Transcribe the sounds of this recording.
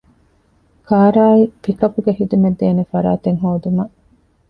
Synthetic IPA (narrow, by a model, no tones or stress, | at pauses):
kʰaːɾaːifikɐpuɡeɦid̪umed̪ːeːnefɐɾa̰ːt̪eŋɦoːd̪umɐ